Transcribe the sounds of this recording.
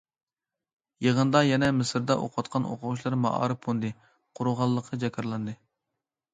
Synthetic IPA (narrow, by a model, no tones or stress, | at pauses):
jeʁənd̪ɑjɛnɛmɪsɨɾd̪ɑʔo̰qʰɑt̪̚qʰɑno̰qʰʊʁuʃ̬lˠɑɾmɑ̰ʔɑ̰ːɾɨp̚ond̪ɨ | qʰʊɾuʁɑlˠːəqʰːəd͡ʒɛkʲʰɑɾlˠɑnd̪ɨ